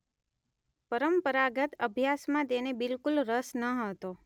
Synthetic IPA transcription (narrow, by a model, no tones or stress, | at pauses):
pəɾəmpəɾaɡət̪əbʱjasmãt̪enebɪlkulɾəsnəɦət̪o